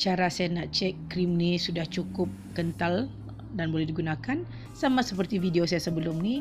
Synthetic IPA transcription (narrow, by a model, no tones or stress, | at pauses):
t͡ʃaɾasajanaʔt͡ʃɛkːɾimnisudaht͡ʃukʊp̚kənt̪al | danbolɛhdiɡunãkan | samãsəpərt̪ivideosajasəbəlʊmni